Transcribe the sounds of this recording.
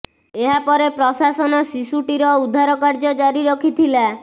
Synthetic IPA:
eɦapɔɾepɾɔsasɔnɔsisuʈiɾɔud̪ʱːaɾɔkaɾd͡ʒɔd͡ʒaɾiɾɔkʰit̪ʰila

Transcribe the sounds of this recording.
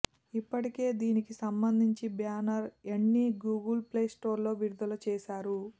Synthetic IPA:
ipːɐʈike̞ːd̪iːnikisɐmbɐnd̪ʱiɲt͡ʃibjaːnɐɾeɳːiɡuːɡɐlpleːsʈo̞ːɾlo̞ːʋiɾud̪ɐlɐt͡ʃɛːʃaːɾu

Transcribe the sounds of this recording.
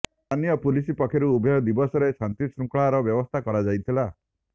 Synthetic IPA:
t̪ʰanijɔpulisipɔkʰːeɾuubʱɔjɔd̪ibɔsɔɾesant̪isɾukɭaɾɔbjɔbɔst̪ʰakɔɾad͡ʒajt̪ʰila

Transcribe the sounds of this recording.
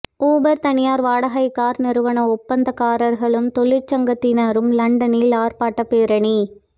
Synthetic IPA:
uːbɐɾt̪ɐnɪjaːɾʋaːɽɐɣɐɪkːaːɾnɪɾɯʋɐɳɐɔpːɐnd̪ɐkaːɾɐɾɣɐɭɯmt̪ɔɭɪt͡ʃːɐŋɡɐt̪ːɪnɐɾɯmlɐɳɖɐnɪlaːɾpaːʈːɐpeːɾɐɳi

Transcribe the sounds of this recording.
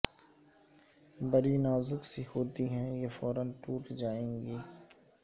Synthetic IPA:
bɐɾinaːzʊksihoːt̪iɦɛ̃jefɔːɾənʈuːʈd͡ʒaːẽːŋɡiː

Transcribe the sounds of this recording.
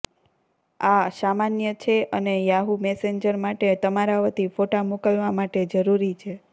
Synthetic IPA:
asamanjət͡ʃʰeʔənejaɦumɛseɲd͡ʒəɾmaʈet̪əmaɾaʋət̪ifoʈamukəlʋamaʈed͡ʒəɾuɾit͡ʃʰe

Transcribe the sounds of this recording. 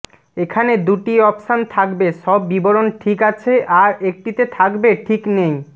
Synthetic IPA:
ekʰaned̪uʈiɔpʃant̪ʰakbeʃɔbːiboɾonʈʰikat͡ɕʰeʔaɾek̚ʈit̪et̪ʰakbeʈʰiknej

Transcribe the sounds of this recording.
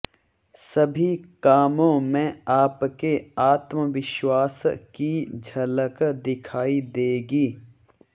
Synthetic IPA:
sɐbʱikaːmõmẽaːpkeaːt̪məʋɪʃwaːskid͡ʒʱɐləkd̪ɪkʰaːid̪eːɡiː

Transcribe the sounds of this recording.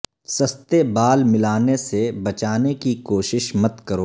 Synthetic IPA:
sɐst̪ebaːlmɪlaːnesebɐt͡ʃaːnekikoːʃɪʃmɐt̪kɐɾoː

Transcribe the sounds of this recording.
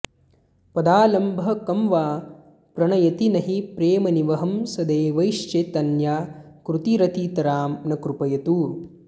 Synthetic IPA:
pɐd̪aːlɐmbʱɐ̆kɐmʋaː | pɾɐɳɐjɐt̪inɐɦipɾeːmɐniʋɐɦɐmsɐd̪eːʋɐjʃt͡ʃet̪ɐnjaːkɾut̪iɾɐt̪iːt̪ɐɾaːmnɐkɾupɐjɐt̪uː

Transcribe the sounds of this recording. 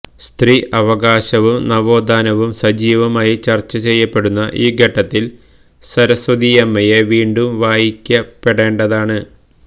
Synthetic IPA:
st̪riʔɐʋɐɡaːɕɐʋumnɐʋo̞ːd̪aːnɐʋumsɐd͡ʑiːʋɐmaːjit͡ɕɐrt͡ɕːɐt͡ɕe̞jːɐpːe̞ɽunːɐʔiːɡʱɐʈːɐt̪ːil | sɐɾɐsɐd̪ijɐmːɐjeʋiːɳɖumʋaːjikʲːɐpːe̞ɽe̞ːɳɖɐðaːɳɨ

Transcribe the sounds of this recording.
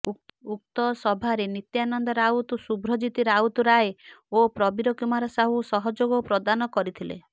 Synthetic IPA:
uuk̚t̪ɔsɔbʱaɾenit̪janɔnd̪ɔɾaut̪usubɾɔd͡ʒit̪iɾaut̪uɾajeopɾɔbiɾɔkimaɾɔsaɦusɔɦɔd͡ʒoɡɔpɾɔd̪anɔkɔɾit̪ʰilḛ

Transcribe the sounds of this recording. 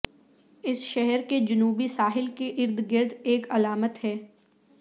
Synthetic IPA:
ɪsʃɛɦɛɾked͡ʒʊnuːbisaːɦɪlkeʔɪɾd̪ɡɪɾd̪eːkɐlaːmət̪ɦɛː

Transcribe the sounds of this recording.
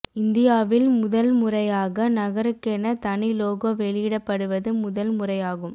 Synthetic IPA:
ɪnd̪ɪjaːʋɪlmʊðɐlmʊrɐjaːɣɐnɐɣɐɾɯkːɛnɐt̪ɐɳɪloːɣoːʋɛɭɪjɪɽɐpːɐɽɯʋɐðɯmʊðɐlmʊrɐjaːɣɯm

